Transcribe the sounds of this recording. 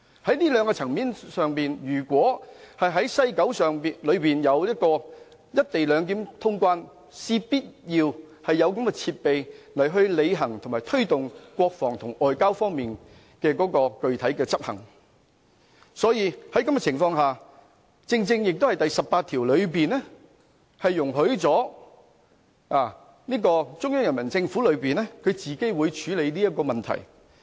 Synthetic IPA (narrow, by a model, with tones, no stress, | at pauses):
hɐ˨˥jniː˥lœː˨˧ŋkɔː˧t͡sʰɐ˨˩ŋmiː˨˥nsœː˨˧ŋpiː˨njyː˨˩kʷɔː˨˥hɐ˨jɦɐ˨˥jsɐ˥jkɐ˨˥wsœː˨ŋlɵ˨˧ɥpiː˨njɐ˨˧wjɐ˥t̚kɔː˧ | jɐ˥t̚t̪e˨jlœː˨˧ŋk̬iː˨˥mt̪ʰʊ˥ŋkwaː˥n | siː˥piː˥t̚jiː˧w | hɐ˨jːɐ˨˧wkɐ˨˥mkɛː˧t͡sʰiː˧t̚pe˨jlɐ˨˩jɦɵ˧ɥle˨˧jɦɐ˨˩ŋt̪ʰʊ˨˩maː˨˩jt̪ʰɵ˥ɥt̪ʊ˨ŋkwɔː˧k̚fɔː˨˩ŋt̪ʰʊ˨˩ŋɔː˨˩jkaː˥wfɔː˥ŋmiː˨n | kɛː˧kɔː˨˥kɔː˧kɵ˨˧ɥt̪ʰɐ˨˥jkɛː˧t͡sɐ˥p̚hɐ̰˨˩ŋ | sɔː˨˥jiː˧hɐ˨˥jkɐ˨˥mkɛː˧˨t͡sʰɪ˨˩ŋfɔː˧ŋɦaː˨ | t͡sɪ˧ŋt͡sɪ˧ŋjɪ˨k̚t̪whɐ˨˩jt̪ɐ˨jsɐ˨p̚paː˧t̪ʰiː˨˩wlɵ˨˧ɥpiː˨nlɛ˥ | hɐ˨jːʊ˨˩ŋɦɵ˨˥ɥt͡sɔː˨˥ | aː˨˩ | niː˥kɔː˧t͡sʊ˥ŋjœː˥ŋjɐ˨˩nmɐ˨˩nt͡sɪ˧ŋfuː˨˥lɵ˨˧ɥpiː˨nɛ˥kʰɵ˨˧ɥt͡siː˨˩ke˥jwuː˨˧jt͡ʃʰyː˨˥le˨˧jniː˥jɐ˥t̚kːɔː˧mɐ˨nt̪ʰɐ̰˨˩j